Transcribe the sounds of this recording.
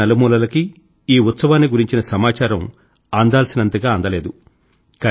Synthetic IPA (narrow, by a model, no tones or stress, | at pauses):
ɐlɐmuːlɐlɐki | iːut̪sɐʋaːnːiɡuɾiɲt͡ʃinɐsɐmaːt͡ʃaːɾɐm | aːnd̪aːlsinɐnt̪ɐɡaːɐnd̪ɐle̞ːd̪u | kɐ